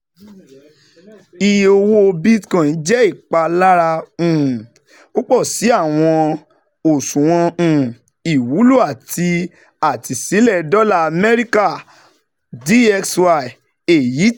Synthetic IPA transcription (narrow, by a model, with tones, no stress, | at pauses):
i˧o˧wo˧bi˦tkã˦˨n̩˨˦d͡ʒɛ˦i˦˨k͡pa˧la˦ɾa˧ũ˨ | o˦k͡pɔ˦˨si˨˦a˦˨w̃ɔ̃˧ | o˨sũ˨w̃ɔ̃˧ũ˨ | i˨wu˨˦lu˦˨a˨ti˧ | a˨ti˧si˨˦lɛ˦˨dɔ˦la˦a˧mɛ˦ɾi˦ka˦˨ | di˦ɛ˧kswa˧i˨ | e˨ji˨˦